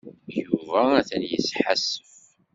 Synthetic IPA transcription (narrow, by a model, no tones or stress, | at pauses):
juvææθænjəsħasːəf